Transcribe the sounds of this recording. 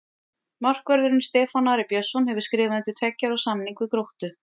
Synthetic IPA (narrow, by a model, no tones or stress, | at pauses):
mar̥kvœɾðʏɾɪnst̪ɛːfanaɾɪpjœsɔnhɛvʏ̥ɾ̥skɾɪːvanɪnt̪ɪt̪ʰɛcːaɾɔwsamniŋkʏkɾowht̪ʏ